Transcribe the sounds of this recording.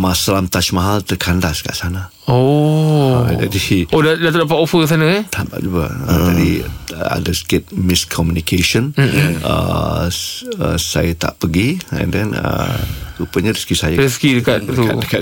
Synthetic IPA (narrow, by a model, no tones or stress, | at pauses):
masalamt̪at͡ʃmaɦalt̪əkʰandaska̰ʔsana | o | d͡ʒa̰diodadat̪odap̬at̪ofəks̬anə̃at̪ʰaba̰ʔ̚d͡ʒuɡa̰ə̰d͡ʒadia̰dasə̥kɪt̪̚mɪskʰɔmjunikʰeʃənə̰ | əsa̰jat̪a̰ʔpəɡiɛ̰̃ndɛnə̰upəɲaɾiskisajaɾiskidəkat̪̚uadəka